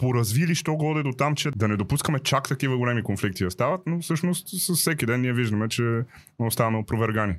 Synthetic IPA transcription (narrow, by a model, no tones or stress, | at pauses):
poɾɐzviliʃt̪ɔɡɔd̪ɛd̪ot̪amt͡ʃɛd̪ɐnɛd̪opuskɐmɛt͡ʃakt̪ɐkivɐɡolɛmikonflik̚t̪iɐst̪avɐt̪nofsɤʃnost̪sɐssɛkid̪ɛnnːiɛviʒd̪ɐmɛt͡ʃɛ | ost̪anəpɾovɛɾɡani